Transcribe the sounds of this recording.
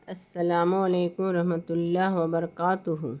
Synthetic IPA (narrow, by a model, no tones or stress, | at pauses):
ɐsːɐlaːmuɐleːkʊmɾɐɦmɐt̪ʊlːaːɦwɐbɐɾɐkaːt̪ʊɦʊ